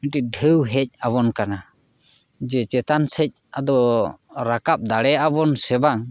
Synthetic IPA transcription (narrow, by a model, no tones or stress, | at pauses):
ɛʈiɖʱəwɦɛc̚abɔnkana | d͡ʒɛt͡ʃɛt̪ansɛc̚ad̪ɔɾakap̚d̪aɽɛabɔnsɛbaŋ